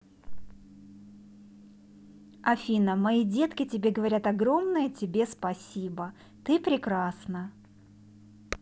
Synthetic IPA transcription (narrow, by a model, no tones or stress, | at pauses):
ɐfʲinəmɐidʲe̞t̪kʲɪtʲɪbʲeɡəvɐɾʲat̪ɐɡɾo̞mnəjətʲɪbʲe̞spɐsʲibə | t̪ɨpɾʲɪkɾasnə